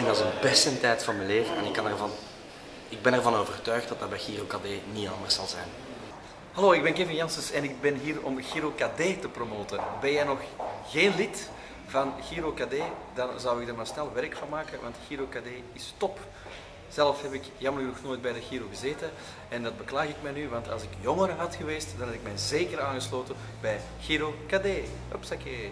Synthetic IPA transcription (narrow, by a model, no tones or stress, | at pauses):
ɪnɑzənbɛstəntɛjtfɑnmɛleːvəɛ̰nɪkːɑnɛrvɑn | ɪɡ̚bɛnɛrvɑnoːvərtœɥxt̚dɑtdɑbɛjɣirokadeːniɑ̰nd̪ərsɑlˠzɛ̰jn | hɑloːɪɡ̚bɛnɪkeːvənjɑnsəsɛnɪɡ̚bɛnɦiːrɔmɣiɾokadeːtəpromoːtəbɛnjɛjnɔxɣeːnlit | v̥ɑnɣiːɾokadeːdɑnzɑwɪɡdəɾmaːrsnɛlˠʋɛɾkfɑnmaːkəʋɑ̰ntxiɾokadeːɪstɔp | z̥ɛlfɦɛpɪkjɑmələɣnɔxnoːjd̚bɛjdəɣiːɾoːɣəzeːtən | ɛndɑd̚bəklaːɣɪkmɛjnyʋɑntɑ̰lˠzɪkjɔŋəɾəɦɑtxəʋeːstdɑnɦɛpɪk̚mɛjzeːkəɾaːnɣəsloːtən | bɛj | ɣ̥iːɾokaːdeː | ɔpsakeː